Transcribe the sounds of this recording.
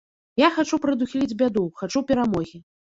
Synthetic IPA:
jaxat͡ʂupɾɐd̪uxʲilʲid͡zʲbʲad̪uxat͡ʂupʲɛɾamɔɣʲi

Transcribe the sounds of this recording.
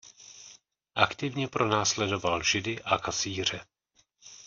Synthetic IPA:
ʔakt̪ɪvɲɛpɾo̞naːslɛdo̞valʒɪdɪʔakasiːr̝ɛ

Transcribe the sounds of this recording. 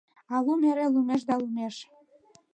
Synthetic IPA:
ɑlumeɾelumeʃ̬d̪ɑlumeʃ

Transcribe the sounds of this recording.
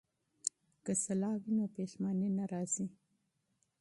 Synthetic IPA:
kəsalɑwinopeʃmɑnenaɾɑz̥i

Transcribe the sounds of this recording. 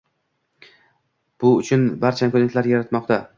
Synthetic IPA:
b̥ʊʊt͡ʃʰʊnbaɾt͡ʃʰankʰonet̪laɾjaɾat̪mɒqt̪ʰa

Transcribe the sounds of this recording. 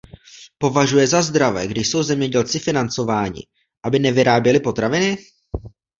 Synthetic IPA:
po̞vaʒujɛzazd̪ɾavɛɡdɪʃso̞wzɛmɲɛɟɛlt͡sɪfɪnant͡so̞vaːɲɪ̰ | ʔabɪnɛvɪɾaːbjɛlɪpo̞t̪ɾavɪnɪ

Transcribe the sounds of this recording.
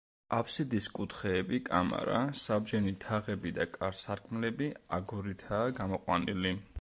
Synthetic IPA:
apʰsid̪iskʼut̪ʰχɛːbikʼa̰ma̰ɾa̰sabd͡ʒɛnit̪ʰaʁɛbid̪akʼaɾsaɾkʰʼmlɛbiaɡuɾit̪ʰaːɡamɔqʼwanili

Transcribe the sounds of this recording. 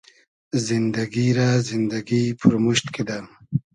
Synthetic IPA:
zind̪aɡiɾazind̪aɡipʰuɾmuʃt̪kid̪am

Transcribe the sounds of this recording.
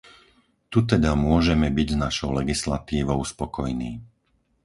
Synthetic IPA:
t̪ut̪ɛd̪amʊɔʒɛmɛbiɟznaʃɔʊlɛɡisla̰t̪iːʋɔʊspɔkɔjniː

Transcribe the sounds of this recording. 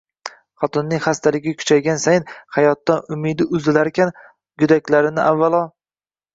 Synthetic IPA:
χɒt̪ʰʊnːɪŋχast̪ʰalɪɡʲɪkʲʰʊ̥t͡ʃʰajɡʲansajnhajɒt̪ːanʊmɪd̪ɪʔʊzɪlaɾkʲʰan | ɡʊd̪akʲlaɾɪnɪʔavːalˠɒ

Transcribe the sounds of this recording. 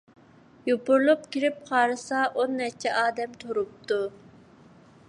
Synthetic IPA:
jopʊɾlˠup̚kʲiɾɪp̚qʰɑːɾɨsɑʔonːɛt͡ʃʰɛʔɑːd̪ɛmt̪ʰoɾup̚t̪ʰu

